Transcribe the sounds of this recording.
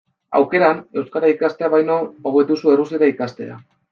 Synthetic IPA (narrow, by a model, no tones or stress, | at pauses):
a̰wke̞ɾane̞wskaɾaikast̪e̞aβajnooβe̞t̪usue̞rusiɾaikast̪e̞̰a̰